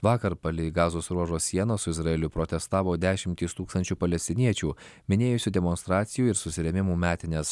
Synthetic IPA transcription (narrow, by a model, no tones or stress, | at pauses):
ʋɑːkɐɾpɐlʲɪɡɑːzoːsɾuɔʒoːsʲsʲiɛnoːsʊɪzɾɐɛlʲʊpɾɔt̪ʲɛst̪ɑːʋoːd̪ʲæːʃʲɪmʲt̪ʲiːst̪uːkst̪ɐnʲt͡ʃʲuːpɐlʲɛsʲt̪ʲɪnʲiɛt͡ʃʲuːmʲɪnʲeːjʊsʲʊːd̪ʲɛmɔnst̪ɾɑːt̪sʲɪjuːɪɾsʊsʲɪɾʲɛmʲɪmuːmʲæːt̪ʲɪnʲɛs